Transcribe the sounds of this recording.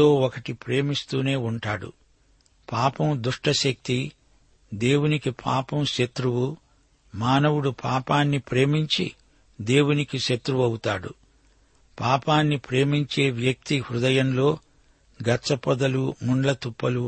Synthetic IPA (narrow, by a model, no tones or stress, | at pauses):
o̞ːɔkɐʈipɾe̞ːmist̪uːne̞ːuɳʈaːɽṵ | paːpɐmd̪uʂʈɐʃɐk̚t̪i | d̪e̞ːwunikipʰa̰ːpɐmʃɐt̪ɾuwu | maːnɐwuɽupʰaːpaːnːipɾe̞ːmiɲt͡ʃḭ | d̪e̞ːwunikiʃɐt̪ɾuʋɐwut̪aːɽṵ | paːpaːnːipɾe̞ːmiɲt͡ʃe̞ːʋjɐk̚t̪ihɾud̪ɐjɐmlo̞ː | ɡɐt͡ʃɐpɐd̪ɐlumuɳlɐt̪upːɐlu